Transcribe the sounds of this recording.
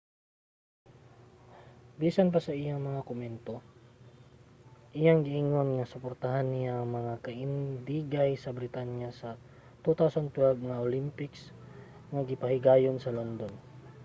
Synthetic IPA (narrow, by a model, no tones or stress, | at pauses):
biːsɐnpɐsɐʔɪjaŋmɐŋakʊmɛnt̪o̞ | ʔɪjaŋɡɪʔɪŋonŋɐsʊpoɾt̪aɦanːɪjaɐŋmɐŋakɐʔɪnd̪iːɡajsɐbɾɪt̪anjasɐ | t̪ut̪awsɐnt̪wɛlbŋɐʔolimpɪks | ŋɐɡɪpɐhɪɡaːjonsɐlond̪on